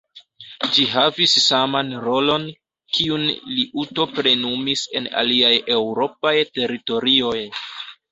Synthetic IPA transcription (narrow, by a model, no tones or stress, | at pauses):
d͡ʒiɦavisːamanɾo̞lo̞n | kiunliʔuto̞pɾe̞numise̞na̰liaje̞wɾo̞pajte̞ɾito̞ɾio̞j